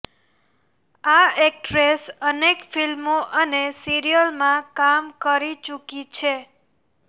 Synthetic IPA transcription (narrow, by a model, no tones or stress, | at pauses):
aek̚ʈɾesənekfilmoʔənesiɾijəlmãkamkəɾit͡ʃukit͡ʃʰe